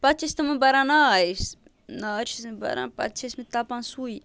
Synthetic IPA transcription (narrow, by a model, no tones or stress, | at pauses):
pat͡ʃesit̪amambaɾanaas | naaʈ͡ʂizamba̰ɾa̰npa̰t̪t͡ʃesimit̪apansui